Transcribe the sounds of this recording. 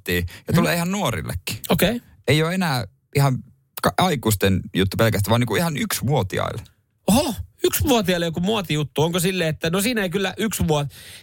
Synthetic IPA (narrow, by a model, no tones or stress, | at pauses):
t̪iːjɑt̪uleːihɑnnuorḭlːḛkːi̥okei | eijoːenæː | ihɑn | kɑɑikust̪enjut̪ːupelkæst̪æʋɑːniːkuihɑnyksmuot̪ḭɑ̰ile | ohoyksmuot̪iɑilːekumuɑt̪ijut̪ːuoŋkosilːeːet̪ːænosiːnæeikylːæʔyksʋuot̪